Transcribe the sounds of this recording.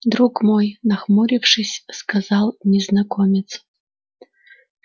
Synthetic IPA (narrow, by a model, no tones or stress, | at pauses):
d̪ɾukmojnɐxmuɾʲifʂɨsʲskazalˠnʲɛznɐkomʲɪt̪s